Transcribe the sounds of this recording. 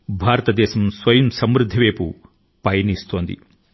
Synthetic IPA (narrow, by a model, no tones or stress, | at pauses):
bʱaːɾɐt̪ɐd̪ɛːɕɐmsʋɐjɐmsɐmɾud̪ʱːɐʋeːpṵ | pɐjɐnist̪o̞ːnd̪ḭ